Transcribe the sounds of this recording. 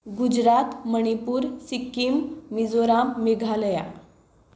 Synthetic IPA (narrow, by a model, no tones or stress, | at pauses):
ɡud͡ʑɾat̪məɽ̃ipuːɾsikːimmid͡zoɾamːeɡʱaləja̰